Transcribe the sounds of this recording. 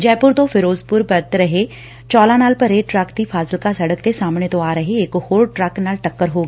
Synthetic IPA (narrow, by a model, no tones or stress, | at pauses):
d͡ʒɛːpʊɾt̪õfʰɪɾoːzpʊɾbɐɾt̪ɾɐɦe | t͡ʃɔːlanaːlpɐɾeːʈɾɛːkt̪ifʰaːsəlkasɐɽəkt̪esaːmnet̪oaːɾɐɦeeːkhoːɽʈɾɛːknaːlʈɐkːəɾɦoːɡː